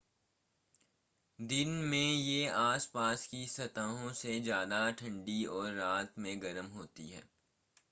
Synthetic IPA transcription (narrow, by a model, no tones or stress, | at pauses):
d̪ɪnmẽjeaːspaːskisɐt̪aːɦõsed͡ʒjaːd̪aʈʰɐ̃ɳɖiɔːɾːaːt̪mẽɡɐɾəmɦoːt̪ḭɦɛ̰ː